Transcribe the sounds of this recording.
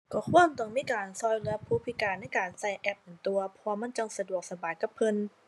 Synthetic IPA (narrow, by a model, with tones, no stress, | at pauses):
kɔː˧˩kʰu˧˥˩əmt̪ɔ˧˩ŋmiː˧˥˨kaː˨˩nsɔː˧˩jlɯ˧ɐ˧pʰuː˧˥˩pʰi˧˩kaː˧˩nːa˧˥˩jkaː˨˩nsa˧˩jʔɛ˧˥p̚ʔɯ˨˩nt̪u˧ɐpʰɔː˧ma˧˥˨nt͡ɕa˧ŋsa˧du˨˩ək̚sa˧baː˨˩jka˨˧˩pʰːɤ˧n